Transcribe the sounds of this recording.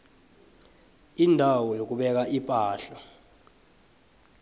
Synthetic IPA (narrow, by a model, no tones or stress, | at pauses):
indʱawɔjok̬uɓɛk̬aʔipʼaːɬa